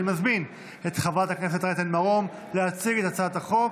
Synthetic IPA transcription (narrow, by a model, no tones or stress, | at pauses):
mazmin | e̞t̪χavatakne̞s̬e̞t̪aʁet̪enmaʁo̞m | leat͡siɡe̞t̪at͡sat̪aχo̞v